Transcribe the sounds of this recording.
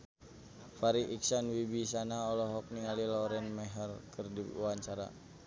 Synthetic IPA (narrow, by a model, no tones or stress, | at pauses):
faɾiʔiksanwibis̬anaɔlɔɦɔk̚niŋalilɔɾɛnmɛɦɛrkʰɨrdiuaɲt͡ʃaɾa̰